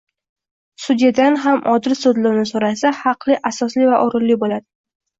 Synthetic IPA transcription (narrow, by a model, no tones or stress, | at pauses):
sʊd̪ijad̪anɦamʔɒd̪ɪɾsod̪lʊwnɪsoɾasahɑqlˠɪʔasɒslivaʔʊɾɪlːibolad̪ɪ